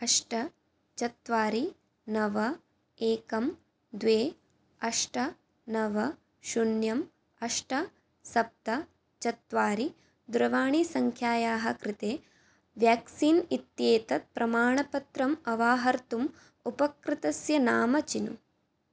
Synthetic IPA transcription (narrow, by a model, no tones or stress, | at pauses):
ɐʂʈɐ | t͡ʃɐt̪ʋaːɾi | nɐʋɐ | eːkɐm | d̪ʋeː | ɐʂʈɐ | nɐʋɐ | ʃunjɐm | ɐʂʈɐ | sɐp̚t̪ɐ | t͡ʃɐt̪ʋaːɾi | d̪uɾɐʋaːɳisɐŋkʰjaːjaːɦɐ̆kɾɪt̪eː | ʋjaːksiːnit̪jeːt̪ɐt̪̚pɾʔɐmaːɳɐpɐt̪ɾɐmɐʋaːɦɐɾt̪um | upɐkɾɪt̪ɐsjɐnaːmɐt͡ʃinṵ